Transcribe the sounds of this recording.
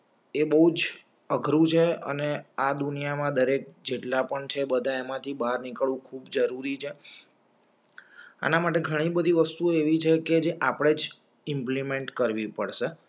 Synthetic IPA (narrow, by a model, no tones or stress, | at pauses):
ebəɦud͡ʒ | əɡʱɾũt͡ʃʰeə̰nead̪unijamãd̪əɾek̚d͡ʒeʈlapəɳt͡ʃʰebəd̪ʱaemãt̪ʰibaɾnikɭũkʰubd͡ʒəɾuɾit͡ʃʰe | a̰namaʈ̬eɡʱəɽ̃ibəd̪ʱiʋəst̪ueʋit͡ʃʰeked͡ʒeʔapɽ̃ed͡ʒ | ɪmplimeɳʈkəɾʋipəɽʃe